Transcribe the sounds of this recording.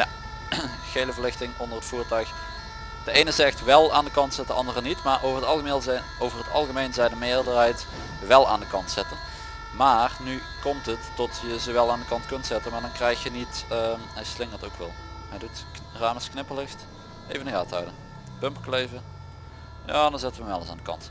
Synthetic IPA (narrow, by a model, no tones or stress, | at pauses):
ja̰ | xejləvəɹlɪxtɪŋʔɔndərətfuːɹtœɥx | d̥əejnəzɛxtʋɛlˠa̰ːndəkɑntsɪt̚dəɑndərənitmaːɹʔowvərɦətɑlˠɣəmelz | owvəɹɦətɑ̰lˠɣəmejnzɛjdəmɪːɹdəɹɦɛjt | ʋɛlˠa̰ːndəkɑntsɪtən | maːrny | kɔmtətːɔtjəzəʋɛlˠaːndəkɑntkɵntsɛtənmaːɹdɑnkrɛjxjənitəɛjslɪŋətowkʋɪ̰lˠɛdɪt | raːməsknɪpəlˠɪxt | ḛjvənəɣa̰ːthœ̰wdən | pɵmpklejvə | jaːdɑnzɛtəʋəʋɛlˠəsa̰ːndəkɑ̰nt